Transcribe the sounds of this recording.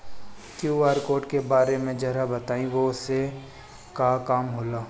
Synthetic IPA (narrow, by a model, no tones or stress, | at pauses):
kjuaːɾkoːɾʈkebaːɾemẽd͡ʒɐɾabɐt̪aːĩʋose | kakaːmɦoːlaː